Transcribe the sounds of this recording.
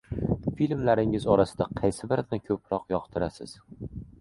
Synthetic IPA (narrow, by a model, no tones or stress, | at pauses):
filʲmlaɾɪŋɪzɒɾasɪd̪aqʰɑjsɪbɪɾnɪkʲʰɵpɾɒqjɒqt̪ʰɪɾasɪ̰z̥